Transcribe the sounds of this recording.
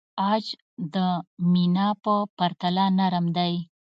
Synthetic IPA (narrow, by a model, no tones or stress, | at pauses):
ɑd͡ʒ | d̪əminɑpəpaɾt̪alanaɾəmd̪aj